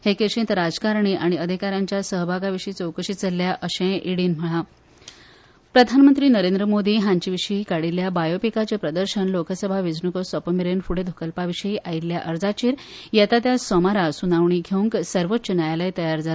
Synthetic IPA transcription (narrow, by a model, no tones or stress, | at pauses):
hekeʂĩnt̪ɾad͡zkaɾɳiʔaɽ̃iəd̪ʱikaɾãɲt͡ɕjasəɦbʱaɡaʋiɕəit͡sowkəɕit͡səlːjaʔəɕẽʔiɽiːnm̤əɭa | pɾəd̪ʱanmənt̪ɾiːnəɾẽnd̪ɾəmod̪ʱiːɦãɲt͡ɕiʋiɕəɦikaɽiljabajopikat͡ɕepɾəd̪əɾɕənloksəbʱaʋid͡znukəsɔpəmiɾenfuɽ̤ed̪ʱukəlpaʋiɕəiʔailːjaʔəɾd͡zat͡ɕiːɾjat̪at̪jasɔmaɾasunaʋɳiɡʱeũŋksəɾʋot͡sːɕənajaləjt̪əjaɾd͡za